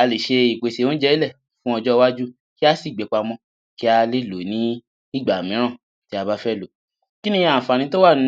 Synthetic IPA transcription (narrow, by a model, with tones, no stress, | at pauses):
a˧le˨ʃe˧i˨k͡pe˨se˧o˦d͡ʒɛ˦i˦˨lɛ˦˨ | fũ˦ɔ˧d͡ʒɔ˦˧wa˦d͡ʒu˦ | ki˦a˦si˦˨ɡ͡bɛ˨k͡pa˧mɔ̃˧˦ | ki˦a˧le˦˨lo˨˦nĩ˦ | i˦˨ɡ͡ba˨mĩ˨˦ɾ̃ã˦˨ | ti˦a˧ba˦fɛ˦lo˨˦ | ki˦nĩ˦a˨fa˨nĩ˧˦to˦wa˦˨ñ˨˦